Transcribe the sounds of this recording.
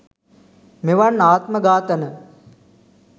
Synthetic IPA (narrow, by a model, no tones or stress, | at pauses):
meʋanːaːt̪məɡaːt̪ənə